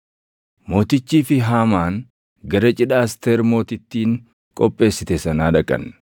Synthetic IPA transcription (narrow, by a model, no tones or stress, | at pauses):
mo̞ːt̪ɪt͡ʃːiːfɪɦaːmaːn | ɡɐɾɐt͡ʃʼɪᶑaːst̪eɾmo̞ːt̪ɪt̪ːiːŋ | kʼɔpʼːe̞ːsːɪt̪ɛsɐnaːᶑɐkʼɐ̰n